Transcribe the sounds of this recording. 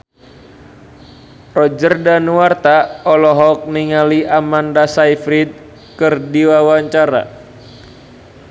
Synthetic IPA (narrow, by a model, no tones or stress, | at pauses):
rɔd͡ʒərdanuwart̪aɔlɔɦɔk̚niŋaliʔamandasaifɾid̪̚ | kɨrdiwawaɲt͡ʃaɾa̰